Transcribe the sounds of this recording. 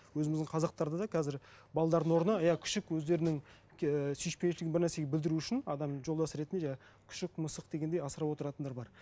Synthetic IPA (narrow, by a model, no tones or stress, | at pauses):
wɵzɪmɪzd̪ɪŋqʰɑzɑq̚t̪ɑɾd̪əd̪ɑkʰæzɪɾ | bɑlˠɑd̪ɑɾd̪ənwo̞ɾənəjɑkʲʰʏ̥ʃɪkwɵzd̪e̞ɾɪnɪŋʲ | sijʃpenʃɪlɪɡʲɪnbɪɾnæɾse̞ɡʲebɪld̪ɪɾuʏʃɪnɑd̪ɑmʒo̞lˠd̪ɑsəɾe̞t̪ɪnd̪eʒ | kʲʰʏ̥ʃɪk̚məsəq̚d̪e̞ɡʲend̪ejɑsəɾɑpwo̞t̪əɾɑt̪nd̪ɑɾbɑɾ